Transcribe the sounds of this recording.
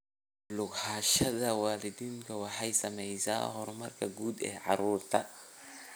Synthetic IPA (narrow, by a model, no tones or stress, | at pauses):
lʊɡħaːʃɐðɐwɑːlɪd̪iːŋkʰɐwɑħɑjsɐmɛjsa̰ːhɔrmɐrkʰɐɡuːd̪ɛ̰ːʕɑɾuːrt̪ʰɐ